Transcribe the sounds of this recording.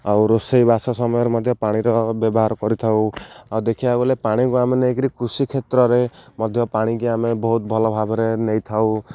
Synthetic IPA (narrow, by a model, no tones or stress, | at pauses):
awɾosejbʱasasɔmɔjɔɾemɔd̪ʱjɔpaɽ̃iɾɔbjɔbɔɦaɾkɔɾit̪ʰawawd̪ekʰiabɔlepaɽ̃ikuameneːkiɾikɾusikʰet̪ɾɔɾemɔd̪ʱjɔpaɽ̃ik̬iamebɔɦut̪̚bʱɔlɔbʱabɔɾenejt̪ʰaw